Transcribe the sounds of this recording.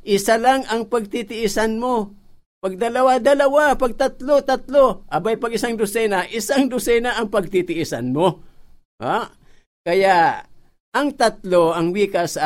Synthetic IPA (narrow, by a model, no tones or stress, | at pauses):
ʔɪsalaŋɐŋpɐɡ̚t̪it̪ɪʔisanmo | pɐɡ̚d̪ɐlɐwad̪ɐlɐwapɐɡ̚t̪at̪lot̪at̪loʔɐbajpɐɡɪsaŋd̪ʊsɛnaʔɪsaŋd̪ʊsɛnaʔːŋpɐɡ̚t̪it̪ɪʔisa̰nmo | a | kɐja | ʔɐŋt̪at̪loʔɐŋwiːkasa